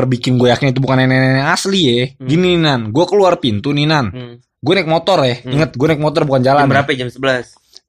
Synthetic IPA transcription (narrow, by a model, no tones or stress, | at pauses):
ərbikɪnɡuajakɪnit̪̬ubukanɛnɛnɛnɛasliɛɡinininanɡuakəluarpint̪uninan | ɡuanɛk̚mot̪ɔrɛhiŋət̪̚ɡuanɛk̚mot̪ɔrbukand͡ʒalanbəɾapad͡ʒamsəbəlas